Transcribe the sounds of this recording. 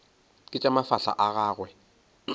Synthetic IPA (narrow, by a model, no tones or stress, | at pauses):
kʼɪt͡ʃʼamafaɬa̰ʔaɣaːɣwɛ